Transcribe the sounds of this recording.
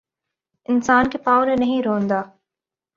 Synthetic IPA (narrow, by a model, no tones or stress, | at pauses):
ɪnsaːnkepaːʋnẽnɐɦĩɾõːnd̪aː